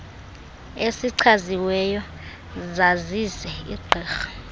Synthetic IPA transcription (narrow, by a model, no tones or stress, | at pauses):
esiǀʰaziwɛjɔ | zazisɛḭɡ͡ǃʱɛːxḁ